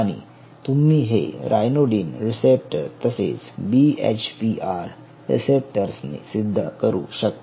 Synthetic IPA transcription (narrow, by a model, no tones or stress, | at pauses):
aɽ̃ḭ | t̪umiːɦḛɾajnoɖiːnɾisep̚ʈəɾt̪əsḛt͡sbiḛt͡ɕpiʔaɾ | ɾḭsep̚ʈəɾsnḭsid̪ʱːə̰kəɾṵːɕək̚t̪